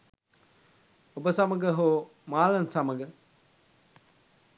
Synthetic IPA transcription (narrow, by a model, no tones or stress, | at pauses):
obəsɐməɡəɦo | maːlɐnsɐməɡə